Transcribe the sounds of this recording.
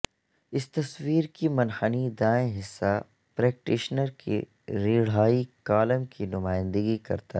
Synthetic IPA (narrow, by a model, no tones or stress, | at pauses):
ɪst̪ɐswiːɾkimɐnhənid̪aːẽɦɪsːa | pɾɛːk̚ʈɪʃnəɾkʰḭ | ɾiːɽ̤aːikaːləmkʰinʊmaːɪ̃nd̪əɡikɐ̰ɾt̪a̰